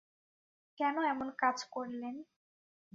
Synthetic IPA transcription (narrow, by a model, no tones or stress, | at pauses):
kɛnoɛmonkad͡ʑkoɾlen